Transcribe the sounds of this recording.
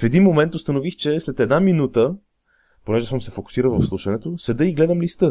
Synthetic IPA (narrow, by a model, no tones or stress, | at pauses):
fɛd̪inmomɛnt̪ʊst̪ənovixt͡ʃɛslɛt̪ɛd̪naminut̪ə | ponɛʒɛsɤmsɛfoku̥siɾəlˠvɐ̰fslˠuʃɐnɛt̪osɛd̪əiɡlɛd̪əmlist̪ɤ